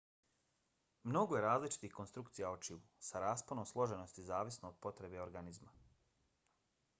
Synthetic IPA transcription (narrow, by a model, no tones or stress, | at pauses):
mno̞ɡoje̞ɾaːzlit͡ʃi̥t̪ixko̞nst̪ɾukt̪sijaot͡ʃiʋusaɾaːsponomslˠo̞ʒe̞no̞st̪izaːʋisno̞ːd̪̥̚po̞t̪ɾe̞be̞o̞ɾɡanizma